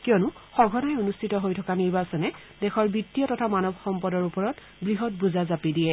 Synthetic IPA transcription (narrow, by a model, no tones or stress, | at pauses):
kijɔnʊxɔɡʱɔnajonustʰitɔɦojtʰɔkaniɹbasɔnɛ | dɛxɔɹbitːijɔtɔtʰamanɔbʱxɔmpɔdɔɹupɔɹɔt | bɹiɦɔt̚buzazapidijɛ